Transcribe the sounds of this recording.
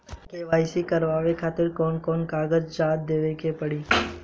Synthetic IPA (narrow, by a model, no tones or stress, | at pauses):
keːʋaːisikɐɾʋaːʋekʰaːt̪ɪɾkɔːnkɔːnkaːɡəd͡ʒd͡ʒaːd̪̚d̪eːʋekepɐɽiː